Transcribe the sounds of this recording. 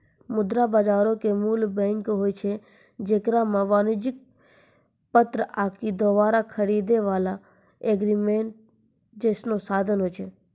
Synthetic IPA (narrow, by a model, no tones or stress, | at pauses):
mʊd̪ɾabaːd͡ʒaːɾokemuːlbɛ̃ŋkɦoːjt͡ʃʰe | d͡ʒeːkɾamãʋaːnɪd͡ʒɪk̚ | pət̪ɾəʔaːkid̪oːʋaːɾakʰəɽid̪eʋaːla | eɡɾimeɳʈ̚ | d͡ʒeːsnosaːd̪ʱənɦoːjt͡ʃʰe